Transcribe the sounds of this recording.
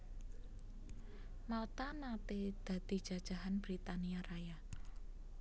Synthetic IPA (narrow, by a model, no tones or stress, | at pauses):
malt̪anat̪ed̪̥ä̤d̪̥i̤d̥ʒ̥ä̤d̥ʒ̥a̤ɦanb̥ɾit̪aniaɾaja